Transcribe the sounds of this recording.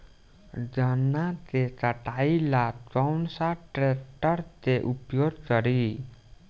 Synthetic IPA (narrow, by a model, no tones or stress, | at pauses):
d͡ʒanat̪et͡saʈailat͡sɔwnsaʈɾeʈəɾt̪eʔupjoɾt͡ʃʌɾi